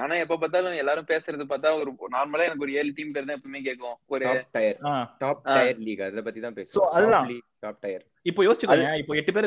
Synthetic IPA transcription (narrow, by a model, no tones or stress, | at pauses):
aːnãːɛpːoːp̬aːɾt̪aːlʊ̃ɛlːaːɾɯ̃peːsɪɾɐðɯpaːɾt̪aːɔɾɯnaːɾmɐlaɛnɐkːɯɔɾɯeːlʈiːmpeːɾɐt̪̬ãːɪpːɐmeːk̬eːkːõɔɾaːʈɐɪɐɾaːʈaːp̚ʈɐɐjɐɾliːɡɐðɐpɐt̪ːit̪ãːpeːssoːɐðlːãːliʈaːp̚ʈɐjɐɾ | ɪpːoːjoːsɪt͡ʃːɯkːɐ̃ɪpːoːɛʈːɯp̬eːɾ